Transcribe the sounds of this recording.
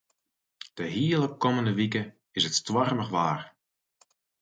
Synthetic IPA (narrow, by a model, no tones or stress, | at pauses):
d̥əɦiəlˠəp̚kɔməndəʋikə | ɪsətstwɔrməχʋaːr